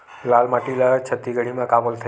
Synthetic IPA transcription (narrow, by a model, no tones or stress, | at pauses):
lalmaʈilat͡ʃʰət̪ːiɡəɽ̤̃imãkabolt̪ʰə